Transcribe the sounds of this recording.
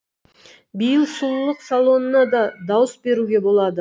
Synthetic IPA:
bijəlˠsulˠlˠəqsalˠo̞nənɑd̪ɑd̪ɑwəsbe̞ɾuɡʲe̞bo̞lˠɑd̪ə

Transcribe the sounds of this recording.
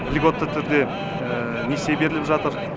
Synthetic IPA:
lʲiɡo̞t̪ːət̪ʰʏɾd̪e̞ | nese̞be̞ɾɪlɪpʒɑt̪əɾ

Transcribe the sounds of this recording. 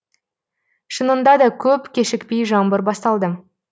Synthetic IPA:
ʃənənd̪ɑd̪ɑkʲʰɵpkʲʰe̞ʃɪkpejʒɑmbəɾbɑst̪ɑlˠd̪ə

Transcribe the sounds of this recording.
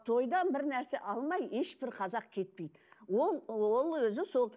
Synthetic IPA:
t̪ʰo̞jd̪ɑnbɪɾnæɾse̞ʔɑlˠmɑje̞ʃbɪɾqʰɑzɑq̚kʲʰe̞t̪̚pe̞jd̪ɪwo̞lˠwo̞lˠwɵzɪso̞lˠ

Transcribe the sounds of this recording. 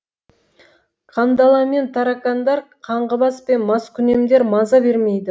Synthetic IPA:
qʰɑnd̪ɑlˠɑme̞nt̪ʰɑɾɑkɑnd̪ɑɾqʰɑɴʁəbɑspe̞nmɑskʲʰʏne̞md̪e̞ɾmɑzɑbe̞ɾme̞jd̪ɪ

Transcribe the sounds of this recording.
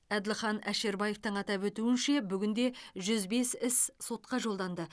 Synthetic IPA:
æd̪ɪlχɑnæʃe̞ɾbɑjeft̪əɴɑt̪ɑpwɵt̪uɪnʃe̞bʏɡʲɪnd̪e̞ʒʏzbe̞sɪsso̞t̪̚qɑʒolˠd̪ɑnd̪ə

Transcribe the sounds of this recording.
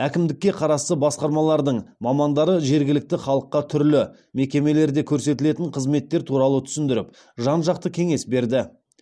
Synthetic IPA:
ækʲɪmd̪ɪkʲːe̞qʰɑɾɑst̪əbɑsqɑɾmɑlˠɑɾd̪əɴmɑmɑnd̪ɑɾəʒe̞ɾɡʲɪlɪk̚t̪ɪχɑlˠəqːɑt̪ʰʏɾlɪ | me̞kʲe̞me̞le̞ɾd̪e̞kʲʰɵɾse̞t̪ɪle̞t̪ɪŋɴqʰəzme̞t̪ːe̞ɾt̪ʰuɾɑlˠət̪ʰʏ̥sɪnd̪ɪɾɪp | ʒɑnʒɑq̚t̪əkʲʰe̞ŋe̞sbe̞ɾd̪ɪ

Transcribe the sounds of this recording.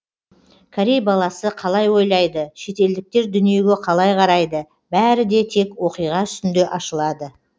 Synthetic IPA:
kʲʰaɾʲejbɑlˠɑsəqʰɑlˠɑjwo̞jlˠɑjd̪əʃe̞t̪e̞ld̪ɪk̚t̪e̞ɾd̪ʏnije̞ɡʲe̞qʰɑlˠɑjqʰɑɾɑjd̪ə | bæɾɪd̪e̞t̪ʰe̞kwo̞qijʁɑt̪ʏ̥st̪ɪnd̪eʔɑʃəlˠɑd̪ə

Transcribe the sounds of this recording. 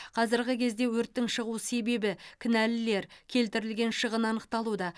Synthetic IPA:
qʰɑzɪɾɡʲɪkʲʰe̞zd̪e̞wɵɾt̪ːɪŋʃəʁuse̞be̞bɪkʲʰɪnælɪle̞ɾkʲʰe̞lt̪ɪɾɪlɡʲe̞nʃəʁənɑnəq̚t̪ɑlˠud̪ɑ

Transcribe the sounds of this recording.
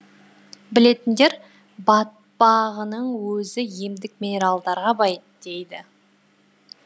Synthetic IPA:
bɪle̞t̪ɪnd̪e̞ɾ | bɑt̪̚bɑʁənəɴwɵzɪjemd̪ɪk̚minʲe̞ɾalˠd̪ɑɾʁɑbɑj | d̪̥e̞jd̪ɪ

